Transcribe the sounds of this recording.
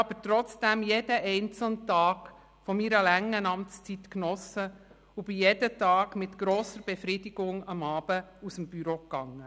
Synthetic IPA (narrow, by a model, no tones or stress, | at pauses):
ɑb̥əɾtɾɔt͡sd̥æmjed̥əʔɛɪnt͡sl̩ntɑːk | fɔmiɾəlæŋːənɑmt͡st͡sitknɔsə | ʊb̥ijedətɑːɡmɪtɡ̥ɾoːsəɾb̥ɛfɾidiɡ̥ʊŋɑmɑːb̥əusəmb̥yɾokːɑŋːə